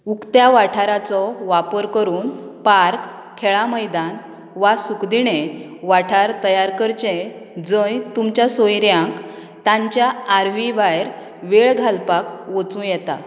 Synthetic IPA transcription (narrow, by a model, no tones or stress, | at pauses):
ukt̪jaʋaʈʰaɾat͡sɔʋapəɾkəɾuːnpaɾk | kʰːɛɭaməjd̪an | ʋasukd̪iɽe | ʋaʈʰaɾt̪əjaɾkəɾt͡ɕẽ | d͡zəjt̪umt͡ɕjasojɾjãk | t̪ãɲt͡ɕjaːɾʋibajɾ | ʋeɭɡʱalpakʋət͡sũjɛt̪a̰